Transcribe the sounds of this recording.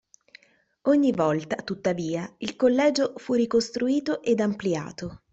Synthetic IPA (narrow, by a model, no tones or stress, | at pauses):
oɲːivɔlt̪at̪ut̪ːaviːailkolːɛːd͡ʒofurikost̪ɾuiːt̪oʔed̪amplia̰ːt̪o